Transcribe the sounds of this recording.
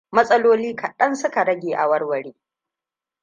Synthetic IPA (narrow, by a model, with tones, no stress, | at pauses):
mɐ˦sʼɐ˦loː˦liː˦kʰɐ˨ɗɐ˦nsʊ˦ka˨ɽɐ˦ɡʲeː˨ʔa̰˨wɐ˦rwɐ˨ɽeː˦